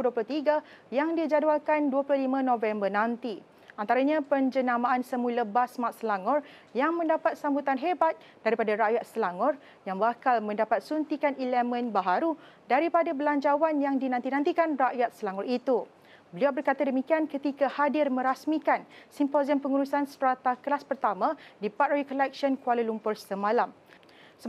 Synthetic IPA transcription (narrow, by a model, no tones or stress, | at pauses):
uduəplʊt̪iɡajaŋdid͡ʒadalkanduəpulohlimãnõvɛmbərnãnt̪i | ʔant̪aɾaɲãpəɲd͡ʒənãmãʔansəmuləbasmãt̪̚səlaŋɔr | jaŋmə̃ndapat̪̚sambut̪anɦebat̪̚ | d̥aɾipadaɾaʔjat̪̚səlaŋɔr | jaŋbakalmə̃ndapat̪̚sunt̪ikanilɛmə̃nbaɦaɾu | daɾipadabəlaɲd͡ʒawanjaŋdinãnt̪inãnt̪ikanraʔjat̪̚səlaŋɔɾit̪u | bəliawbərkat̪adəmĩkiankət̪ikahadɪrmə̃ɾasmikansimpoziəmpəŋuɾusanst̪ɾat̪akəlaspərt̪amãdipat̪̚rajukɔlɛk̚ʃənkualulumpʊrsəmãlam | sə